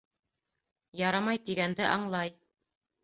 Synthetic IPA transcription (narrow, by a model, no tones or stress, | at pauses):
jɑɾɑmɑjt̪iɡænd̪ɘʔɑɴlˠɑj